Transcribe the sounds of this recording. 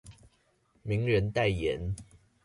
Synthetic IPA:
mi˨˦ŋɻə˨˦nt̪a˥˨ɪjɛ˨˦n

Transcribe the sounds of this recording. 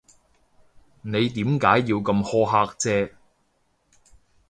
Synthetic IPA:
ne˨˧jt̪̬iː˨˥mkaː˨˥jːiː˧wkɐ˧mhɔː˥ɦaː˧k̚t͡sɛː˥

